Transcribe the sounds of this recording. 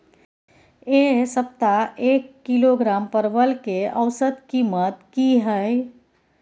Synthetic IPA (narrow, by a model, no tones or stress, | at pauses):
esəp̚t̪aekːiloɡɾampəɾbəlkeəʋsəd̪kimət̪kiɦəɪ